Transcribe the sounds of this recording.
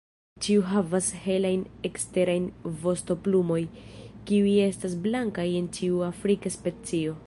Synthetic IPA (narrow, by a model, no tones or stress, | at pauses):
t͡ʃiuɦavashe̞lajnekste̞ɾajnvo̞sto̞plumo̞jkiuje̞stas̬blaŋkaje̞ntiuafɾikaspe̞t͡sio̞